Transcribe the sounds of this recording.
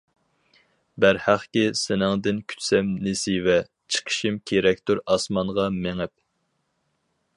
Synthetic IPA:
bæɾhæχkʲisɪnɪŋd̪ɪnkʲʰy̥t̪sɛmnɪsivɛ | t͡ʃʰə̥qʰə̥ʃimkʲʰeɾɛk̚ʲt̪ʰuɾɑsmɑɴʁɑmeŋɪp̚

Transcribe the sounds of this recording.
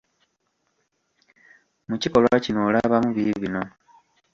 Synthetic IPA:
muciko̞lwacinoːlaβamuβiβino̞

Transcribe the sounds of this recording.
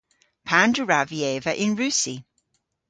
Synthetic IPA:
pʰãndəɹavieːvəʔɪ̃nɹʉˑsi

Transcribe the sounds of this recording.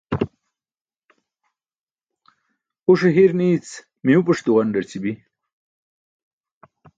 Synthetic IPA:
uʂeɦiɾniːt͡s | miupɐʂt̪uʁɐɳɖɐɾt͡sibi

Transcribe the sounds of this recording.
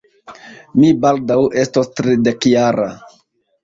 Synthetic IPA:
mibaldawʔe̞stostɾidekjaɾa

